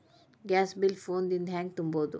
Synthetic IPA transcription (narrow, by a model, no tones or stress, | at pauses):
ɡɛːsbɪlfoːnd̪ind̪ʱɛ̃ːŋɡ̚t̪umboːd̪ṵ